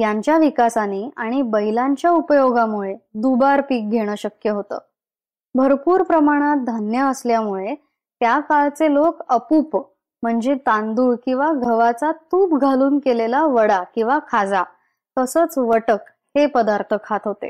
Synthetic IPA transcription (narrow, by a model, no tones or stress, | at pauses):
jaɲt͡ɕjaʋikasaniːaɽ̃ibəɦilaɲt͡ɕjaupəjoɡamuɭed̪ubaɾpiːk̚ɡʱeɽ̃əːɕəkjəɦot̪ə̰ː | bʱəɾpuːɾpɾəmaɽ̃at̪̚d̪ʱanjəːsljamuɭe | t̪jakalt͡selokəpuːp | m̤əɳd͡zet̪and̪uːɭkĩw̃ʋaɡʱəʋat͡sat̪uːpɡʱaluːnkelelaʋəɽakĩw̃ʋakʰad͡za | t̪əsəːt͡sʋəʈək | hepəd̪aɾt̪ʰəkʰat̪ɦot̪ḛ